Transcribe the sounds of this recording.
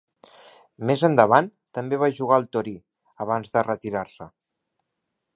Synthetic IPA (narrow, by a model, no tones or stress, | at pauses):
mezənd̪əβant̪əmbeβaʒuɣ̞aəlˠt̪oɾi | əβ̞anzðərət̪iɾaɾsə